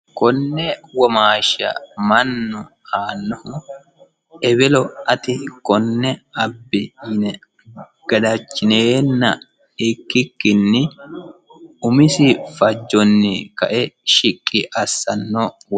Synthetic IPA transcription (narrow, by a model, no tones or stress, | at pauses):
kɔnːɛwɔmaːʃɐ̰mɐnːʊ | aːnːɔhʊ | ɛbɛlɔʔɐt̪ɪkɔnːɛɐbːɪjɪnɛ | ɡ̥ɐd̪ɐt͡ʃːɪneːnːɐ | ɪkːɪkːɪnːɪ | ʊmɪsɪfɐd͡ʒːɔnːɪkɐ̰ʔɛʃɪkʼːɪʔɐsːɐnːɔ | w